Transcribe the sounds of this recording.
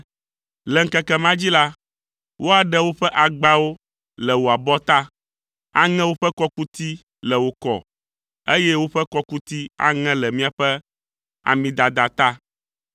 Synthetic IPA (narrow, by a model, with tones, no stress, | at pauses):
lɛ˨ŋ̩˦kɛ˦kɛ˨mã˦d͡ʑi˦la˦ | wʔo˦a˨ɖɛ˦wo˦ɸɛ˦ʔa˨ɡ͡ba˦wo˦ | lɛ˨wo˨a˨bɔ˦t̪a˦ | a̰˦ŋɛ̃˦wo˦ɸɛ˦kɔ˦ku˦t̪i˦ | lɛ˨wo˨kɔ̰˨ | e˦jɛ˦wo˦ɸɛ˦kɔ˦ku˦t̪i˦a̰˨ŋɛ̃˦lɛ˨mĩ˦a˨ɸɛ˦ | a̰˨mĩ˦d̪a˨d̪a˨t̪a˦